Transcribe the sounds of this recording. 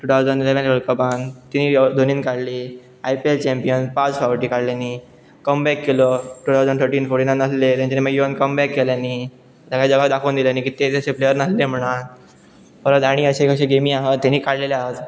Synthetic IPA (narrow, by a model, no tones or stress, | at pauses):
ʈut̪ʰawd͡zənileʋẽnʋəɭkəbãnt̪iniːd̪ʱoniːnkaɽliː | ajpielt͡ɕɛ̃mpijənpat͡sfaʋʈiːkaɽljani | kəmbɛkːelɔʈuːt̪ʰawd͡zəɳɖt̪ʰəɾʈiːnfoɾʈiːnanəslet̪jãt͡ɕaniməɡjuənkəmbɛkːeljaniː | d͡ʑaɡad͡ʑəɡad̪akʰəwnd̪iljaniːkit̪et̪əɕeplejəɾnəslem̤əɽ̃an | fəɾət̪aɽ̃iəɕekəɕẽɡemiaɦət̪ːaniːkaɽleleaɦət̪